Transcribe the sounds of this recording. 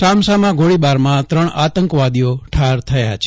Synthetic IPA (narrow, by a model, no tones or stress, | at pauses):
samsamãɡʱoɭibaɾmãt̪ɾəɳat̪əŋkʋad̪ijoʈʰaɾt̪ʰəja̰t͡ʃʰ